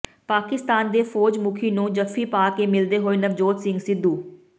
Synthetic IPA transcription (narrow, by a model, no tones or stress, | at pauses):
paːkɪst̪aːnd̪eːfʰoːd͡ʒmʊkʰiːnũːd͡ʒəfʰiːpaːkeːmɪld̪eːɦoːeːnəʋd͡ʒoːt̪sɪ̃ŋɡsɪd̪ʱːuː